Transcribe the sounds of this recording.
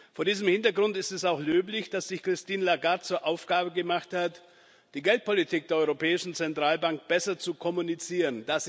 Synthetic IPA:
foːɐdiːzəmhɪntɐɡʁʊntɪstɛsaʊxløːplɪçd̥asz̥ɪçkʁ̥ɪstiːnlaɡaɐt̚t͡suːɐʔaʊfɡ̥aːbəɡəmaχthat | d̥iːɡɛlt̚pʰolitʰiːk̚d̥eːɐɔʏʁopʰɛːɪʃn̩t͡sɛntʁ̥aːlbaŋk̚b̥ɛsɐt͡sukʰɔmunit͡siːʁənd̥as

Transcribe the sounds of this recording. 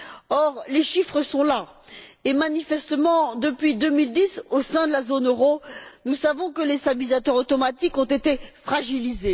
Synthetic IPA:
ɔʁleʃifχəsɔ̃laemanifɛst̪əmɑ̃d̪əpɥid̪ømild̪isosɛ̃d̪əlazonøʁonusavɔ̃kəlesabizat̪œʁot̪ɔmat̪ikɔ̃t̪et̪efχaʒilize

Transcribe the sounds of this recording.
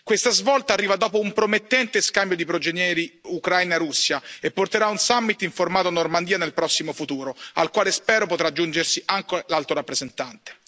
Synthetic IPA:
kwest̪azvɔlt̪aːrːiːvad̪ɔːpoumpɾomet̪ːɛnt̪eskambjod̪ipɾod͡ʒenjɛːɾiukɾajnaɾusːjaepːort̪eɾaunsamːit̪iɱformaːt̪oanormand̪iːanelpɾɔsːimofut̪uːɾoalkwaːlespɛːɾopot̪ɾad͡ʒːund͡ʒersiʔaŋkelalt̪oɾapːɾezent̪ant̪e̥

